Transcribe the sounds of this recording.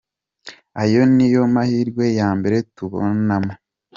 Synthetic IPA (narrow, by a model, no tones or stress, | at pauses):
ajo̞nijo̞mahiːɾɡwe̞jaːmbe̞ɾe̞tuβo̰nama